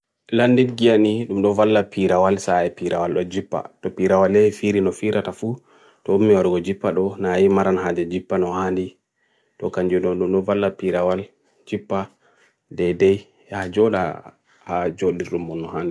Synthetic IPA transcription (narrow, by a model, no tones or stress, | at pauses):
landidɡijaniɗumɗɔvalːapʰiɾawalsaɛpiɾawalɗɔd͡ʒipːa̰tɔpiɾawalːɛfiɾinɔfiɾʔatafu | tɔumːiwaɾuɡɔd͡ʒipːaɗɔnajimaɾanhad͡ʒɛd͡ʒipːanɔhandi | tɔkaɲd͡ʒunɔɗumɗɔvalːapiɾawal | d͡ʒipːa | dɛdɛj | had͡ʒɔɗa̰ | had͡ʒoɗiɾɗumːɔnːɔhaːndi